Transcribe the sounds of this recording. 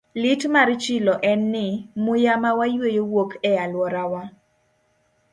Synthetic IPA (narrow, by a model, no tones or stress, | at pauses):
lɪtmaɾt͡ʃɪlɔʔɛnːɪmʊjamawajwejowokʰɛalwɔɾawa